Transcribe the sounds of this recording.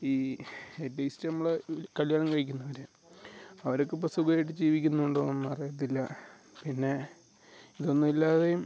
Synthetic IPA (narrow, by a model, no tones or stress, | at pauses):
iːetːɐjstɨnɐmːɐɭkɐljaːɳɐmkɐɻikʲːunːɐʋɐɾɨ | ɐʋɐɾokːeip̬ːɐsuɡɐjiʈ̬ːɨd͡ʑiːʋikʲːunːuɳɖoːonːɨɐrijɐt̪̬ːilːɐ | pinːe̞ | iðo̞nːumilːaːðejum